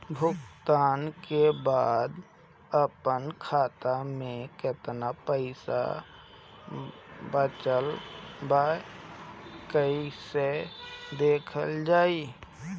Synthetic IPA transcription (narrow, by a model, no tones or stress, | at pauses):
bʱʊkt̪aːnkebaːd̪ | əpənkʰaːt̪amẽkɪt̪napəɪsa̰ | bət͡ʃəlba | kəised̪eːkʰəld͡ʒaːiː